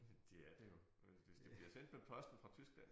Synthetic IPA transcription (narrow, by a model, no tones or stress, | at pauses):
d̥e̝æɐd̥ejo̝ | ʋe̝sd̥e̝b̥liɐsen̰d̥mepʰɒ̽sd̥n̩fʁɑ̈t͡sʰysɡ̥læn̰